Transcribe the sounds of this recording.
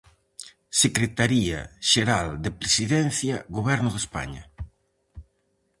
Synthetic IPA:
sekɾet̪aɾia̰ʃeɾald̪epɾesiðɛn̟θjɐɣoβɛɾnʊðespa̰ɲa̰

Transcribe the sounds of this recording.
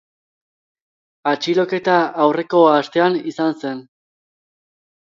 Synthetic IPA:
at͡ʃilo̞ke̞t̪aːwre̞ko̞ast̪e̞anisanse̞n

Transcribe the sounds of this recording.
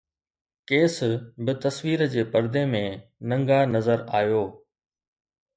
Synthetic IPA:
keːsbɪt̪ɐsʋiːɾd͡ʑeːpɐɾd̪emẽnɐ̃ŋɡaːnɐzəɾaːjoː

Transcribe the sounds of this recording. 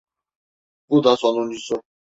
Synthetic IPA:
bud̪asɔnunisɔ

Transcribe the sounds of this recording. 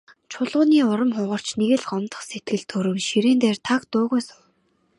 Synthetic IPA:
t͡ɕʰʊɮʁʊːniːʊɾə̆mχʊʁɞ̆r̥t͡ɕneɣɘ̆ɮɢɔmt̪ə̥̆χset̪̚ɡɘ̆ɮt̪ʰɵɾɵ̆ŋʃiɾeːnt̪eːrt̪ʰakt̪ʊːʁʊːsʊw

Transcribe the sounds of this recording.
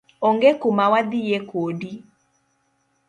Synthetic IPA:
oŋɡekumawad̪ijekodi

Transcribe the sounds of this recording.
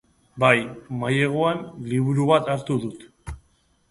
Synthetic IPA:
bajmaje̞ɣ̞oenliβuɾuβat̪aɾt̪uðut̪

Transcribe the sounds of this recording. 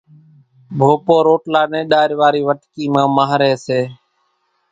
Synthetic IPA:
bʱoːpoːɾoːʈlaːnẽːɗaːɾʋaːɾiːʋəʈkiːmãːmaːɦɾeːseː

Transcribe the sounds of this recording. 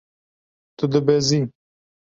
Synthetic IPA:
t̪ɨd̪ɨbɛzi

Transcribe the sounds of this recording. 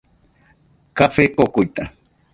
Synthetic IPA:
kafekokujt̪a

